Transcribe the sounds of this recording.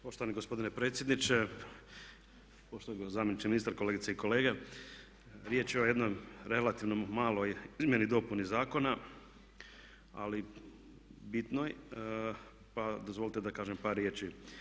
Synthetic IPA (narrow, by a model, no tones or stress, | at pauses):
po̞ʃt̪oʋaniɡospo̞d̪ine̞pɾet̪sjed̪nit͡ʃe | poʃt̪oɡozaːmjenit͡ʃiminist̪aɾkoleːɡit̪seiko̞le̞ːɡe | ɾjet͡ʃjeoje̞d̪nojɾe̞lat̪iʋnomaːlo̞jizmje̞nid̪o̞punizaːko̞na | a̰li | bit̪noj | pad̪ozʋo̞lit̪ed̪akaːʒempaɾjeːt͡ʃi